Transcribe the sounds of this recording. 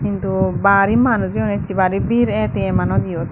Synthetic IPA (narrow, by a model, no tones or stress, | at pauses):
kint̪ubaɾimanuɾiɔnɛt͡ʃibaɾibiɾɛt̪ɛɛmanɔd̪ijɔt̪